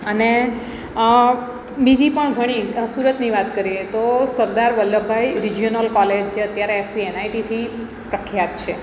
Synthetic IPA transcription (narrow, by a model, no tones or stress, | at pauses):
əne | bid͡ʒipəɳɡʱəɽ̃isuɾət̪niʋat̪kəɾiet̪osəɾd̪aɾʋəlːəbʱajɾid͡ʒionəlkɔled͡ʒt͡ʃʰeət̪jaɾeesʋienajʈit̪ʰi | pɾəkʰjat̪̚t͡ʃʰe